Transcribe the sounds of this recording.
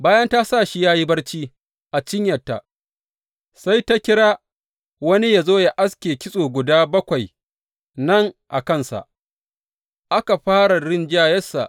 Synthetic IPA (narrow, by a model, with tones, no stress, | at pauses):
baː˦jɐ˦nta˦sa˦˨ʃi˦jaː˦ji˦bɐ˦rt͡ʃiː˦ | ʔa˨t͡ʃɪ˦ɲjɐ˨tːa̰˨ | sa˦jta˦kʲɪ˦ɽaː˦ | wɐ˦ni˦ja˨zoː˦ja˨ʔa˦skʲeː˨kʲɪ˦sʼoː˨ɡʷʊ˨daː˦bɐ˦kʷa˨j | nɐ˦˨ŋʔa̰˨kɐ˦nsa̰˨ʔ | ʔa˦ka˨ɸaː˦ɽa˨ɽɪ˦nd͡ʒaː˦jɐ˦sːa̰˨ʔ